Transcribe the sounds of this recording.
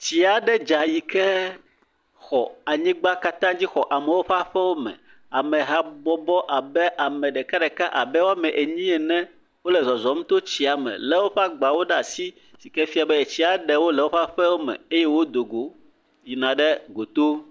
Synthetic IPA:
t͡ɕi˨a˨ɖɛ˦d͡ʒa˨ji˨kɛ˦ | xɔ˨a˨ɲĩ˦ɡ͡ba˦ka˦t̪ã˦d͡ʑi˦xɔ˨ʔa˨mɛ˨wo˦ɸa˦ɸɛ˦wo˦mɛ̰̃˨ | a˨mɛ̃˨ɦa˦bɔ˦bɔ˦ʔa˨bɛ˦ʔa˨mɛ̃˨ɖɛ˨ka˦ɖɛ˨ka˦ʔa˨bɛ˦wo˦a˦mɛ̃˨ʔe˨ɲĩ˦ɛ˨nɛ̃˦ | wo˦lɛ˨zɔ˨zɔ˨m̩˦t̪o˦t͡ɕi˨a˨mɛ̰̃˨lɛ˦wo˦ɸa˦ɡ͡ba˨wo˦ɖa˨si˦ | si˨kɛ˦fi˦a˨bɛ˦e˨t͡ɕi˦a˨ɖɛ˦wo˦lɛ˨wo˦ɸa˦ɸɛ˦wo˦mɛ̰̃˨e˦je˦wo˦d̪o˨ɡo˨ | ji˨nã˨ɖɛ˦ɡo˨t̪o˦

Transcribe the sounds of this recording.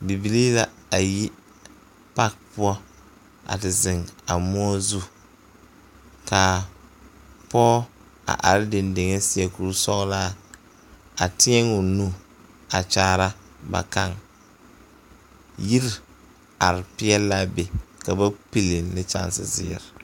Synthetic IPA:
bi˨bi˨liː˦la˦ | a˨ji˦ | pa˦k̚pʊ˦ɔ˦ | ʔa̰˨tɪ˨zɪ˨ŋa˨mʊ˦ɔ˦zu˦ | ka˨ | pɔː˦ | a̰˨ʔa̰˨ɾɪ˦dɪ˨nde˨ŋɛ˦sɪ˦ɛ˨ku˨ɾsɔ˦ɣla˦ | a˨tɪ˦ɛ˦ŋʊ˨nu˦ | a˨t͡ʃaː˦˨ɾa˦ | ba̰˨ka˦ŋ | ji˦ɾ | a˨ɾɪ˨pɪ˦ɛ˦la˦be˨ka˨ba˦pi˦li˨nnɪ˦t͡ʃa̰˦nsɪ̰˨zɪ̰˦ɛ̰˨ɾɪ˨

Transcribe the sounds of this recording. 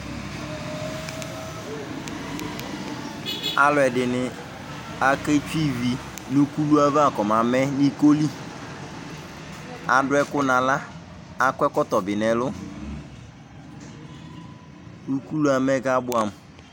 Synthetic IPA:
a̰˨lʊ˨ɛ˨dɪ˨nɪ˨ | a˨ke˦t͡ʃu˦i˦vi˨ | nu˦ku˦lu˦a˦va˨kɔ˨m˨a˨mɛ˦ni˦ko˦li˦ | a˨dʊ˦ɛ˦kʊ˦na˨la˦ | a˦kʷɛ˦kɔ˦tɔ˨bɪ˨nɛ˨lʊ˦ | nu˦ku˦lu˦a˨mɛ˦ɡa˦bʊ˦a˨m˨

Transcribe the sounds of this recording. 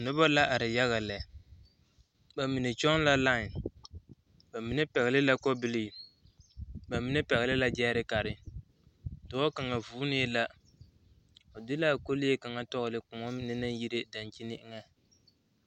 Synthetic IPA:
nʊ˦ba˦la˦ʔa˨ɾɪ˨ja˦ɣa˨lɛ˨ | ba˨mi˨ne˨t͡ʃɔ˦ŋla˦la˦ɪ˨n | ba˨mi˨ne˦pɛ˨ɣɪ˨lɪ˦la˦kɔ˦bɪ˦li˦˨ | ba˨mɪ˦ne˦pɛ˨ɣɪ˨lɪ˦la˦d͡ʒɛː˦ɾɪ˦ka˨ɾɪ˨ | dʊ˨ɔ˦ka˨ŋa˨vuː˦ne˦la˦ | ɔ˨dɪ˦la˦˨ko˦lɪ˦e˦ka˨ŋa˦tɔ˦ɣɪ˨lɪ˦kʊ˨ŋɔ˦mɪ˦nɪ˦na˦ji˦ɾe˦da˨nt͡ʃi˦nɪ˦ɪ˦ŋa˦

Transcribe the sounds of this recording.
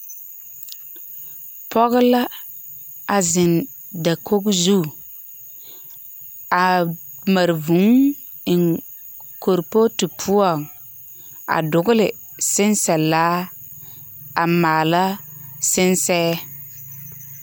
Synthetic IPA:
pʰɔ˦ɣɪ˦la˦ | a˨zɪ˨n | da˨kʰo˦ɡzu˦ | a˨ | ma˨ɾvu˨˦ŋ | ɪ˨ŋ | ko˨ɾpo˦tu˨pʰu˦ɔ˨ŋ | a̰˨dʊ˨ɡʊ˦lɪ˨ | sɪ˦nsa˨laː˦ | a˨maː˨la˦sɪ˦nsɛː˦

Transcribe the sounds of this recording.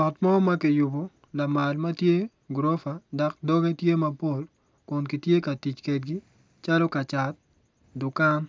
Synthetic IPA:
ɔ˨tmɔ˦ma˦ki˨jʊ˨bo˨ | la˨ma˨lma˦tje˦ | ɡɾɔ˦fa˨da˦kdɔ˦ɡe˦tje˦ma˦po˦l | kɔ˨nki˨tje˦ka˨ti˨t͡ʃkɛ˨t̚ɡi˦ | t͡ʃa˦lɔ˦ka˨t͡ʃa˨t̚ | dʊ˨ka˦n

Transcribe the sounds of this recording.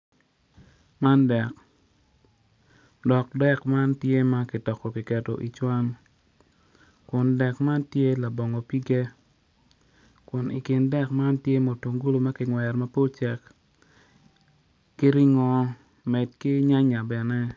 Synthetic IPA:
ma˦ndɛ˨k | dɔ˨k̚dɛ˦kma˦ntje˦ma˦ki˨tɔ˨kɔ˨ki˨kɛ˨to̰˨ʔi˨t͡ʃwa˦ŋ | kʊ˨ndɛ˨kma˦ntje˦la˨bɔ˨ŋɔ˨pi˦ɡe˦ | kʊ˨ni˨kɪ˨ndɛ˦kma˦ntje˦mo˨to˨ŋɡo˦lo˨ma˦kɪ˨ŋwɛ˨ɾma˦po˦lt͡ʃɛ˨k | ki˦ɾi˦ŋɔ˨ | mɛ˨d̚kɪ˦ɲa˦ɲa˨bɛ˨nɛ˦

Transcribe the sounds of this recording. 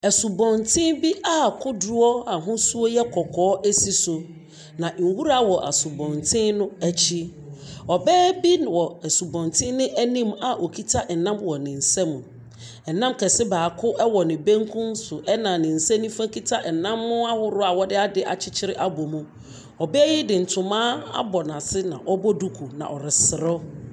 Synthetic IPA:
ɛ˨su˨bɔ̃˨ntʰɪ̃˦nbi˦ʔa˦kʰʊ˦dʊ˦ɔ˦a˨ɦʊ̃˦su˦o˦jɛ˦kʰɔ˨kʰɔː˨˦ʔæ˦si˨sʊ˨ | nã˨ŋ̩˨wu˦ɾa˦wɔ˨ʔa̰˨sʊ˨bɔ̃˨ntʰɪ̃˦nʊ̃˦æ˨t͡ɕʰi˦ | ɔ˨bɛː˦bi˦nwɔ˨ɛ˨su˨bɔ̃˨ntʰɪ̃˦nɪ̃˦ʔæ˦nĩ˦ma˨ʔo˨kʰi˦tʰa˦ʔɛ˨nã˦mwɔ˨nɪ̃˨n̩˨sɛ̃˦mũ˨ | ɛ˨nã˦m˦kʰɛ˨sɪ˦baː˨kʰʊ˦ʔɛ˦wɔ˨nɪ̃˨bẽ˦ŋkʰũ˦n˦sʊ˨ʔɛ˦nã˨nɪ̃˨n̩˨sɛ˦nĩ˦fã˦ki˦tʰa˦ɛ˨nã˦mːʊ̃˦a˦hʊ˦ɾʊ˦a˨wɔ˦dɪ˦a˦dɪ˦ʔa̰˨t͡ɕʰɪ˦t͡ɕʰɪ˦ɾɪ˦ʔa˦bɔ˨mũ˦ | ɔ˨bɛː˦jɪ˦dɪ˨n̩˨tʰʊ̃˨mãː˦a̰˦bɔ˨nã˨sɪ˦nã̰˨ʔɔ˦bɔ˦du˦kʰu˨nã̰˨ʔɔ˨ɾɪ˨sɪ˨ɾɔ˦

